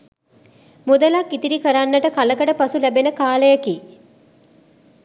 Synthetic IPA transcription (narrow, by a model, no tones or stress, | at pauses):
mud̪əlakːit̪iɾikəɾanːəʈəkaləkəʈəpasulæbenəkaːləjəkiː